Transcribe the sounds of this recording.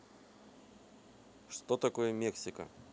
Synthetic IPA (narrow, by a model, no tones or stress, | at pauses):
ʂt̪ot̪ɐko̞jəmʲeksʲɪkə̰